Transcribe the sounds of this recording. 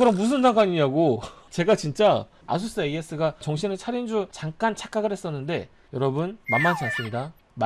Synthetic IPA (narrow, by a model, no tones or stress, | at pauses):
kɯɾʌmmus̬ʰɯnsʰaŋɡ͈aɲiɲaɡot͡ɕe̞ɡat͡ɕint͡ɕ͈a | a̰s̬ʰus͈ɯee̞s͈ɯɡat͡ɕʌŋɕʰinɯɭt͡ɕʰaɾind͡ʑut͡ɕaŋk͈ant͡ɕʰak͈aɡɯɭhe̞s͈ʌnːɯnde̞ | jʌɾʌbunmamːant͡ɕ͈ʰaŋs͈ɯmɲida | m